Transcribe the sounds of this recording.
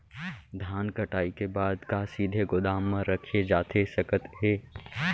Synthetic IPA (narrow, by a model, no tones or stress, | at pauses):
d̪ʱjaːnkɐʈaːikebaːd̪kaːsiːd̪ʱeɡʊd̪aːmːãɾəkʰied͡ʒaːt̪esɐkət̪ɦɛː